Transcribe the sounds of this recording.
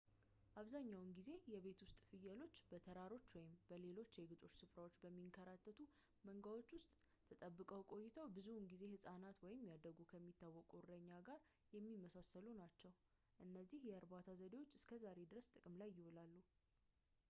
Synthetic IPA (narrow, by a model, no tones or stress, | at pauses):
ʔaβzaɲːawnɡize̞jɛβe̞t̪wʊst̪ʼfɨjːəlo̞t͡ʃːbət̪ʰəɾaɾo̞t͡ʃːwɔjɪmbəle̞lo̞t͡ʃːeɡɨt̪ʼo̞t͡ʃːsɨfɾawo̞t͡ʃːbəmːiŋkʰəɾat̪ʰːət̪ʰu | məŋɡawo̞t͡ʃːwʊst̪ʼ | t̪ʰət̪ʼəbːɨkʼəwkʼo̞jːɪt̪ʰəwbɨzunɡize̞hɨsʼanat̪wɔjɪmjad̪əɡukʰəmːit̪ːawːɔkʼurəɲːaɡaɾ | jɛmːimːəsasəlunat͡ʃːɛw | ʔɨnːəzːihjɛəɾbat̪ʰazəd̪ewo̞t͡ʃːɨskʰəzaɾe̞d̪ɨɾəst̪ʼɨkʼɨmlajːɪholalːu